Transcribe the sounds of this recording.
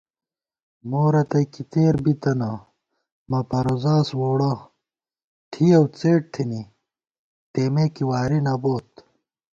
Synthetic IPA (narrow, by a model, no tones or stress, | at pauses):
moːɾɐt̪ɐjkit̪eːɾbit̪ɐnɐ | mɐpɐɾozaːswoːɽɐ | ʈʰiɐwt͡seːʈ̚t̪ʰini | t̪eːmekiwaːɾinɐboːt̪